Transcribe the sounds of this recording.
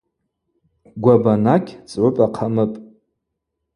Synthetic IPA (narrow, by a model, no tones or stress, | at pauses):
ɡʷabanakʲʰt͡sʼʕʷʊpʼaqʰamɨpʼ